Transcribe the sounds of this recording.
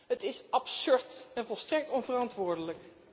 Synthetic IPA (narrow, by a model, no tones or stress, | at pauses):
ɦətɪsɑpsɵɹtɛnvɔlˠstrɛk̚tɔnvərɑntʋʊːɹdələk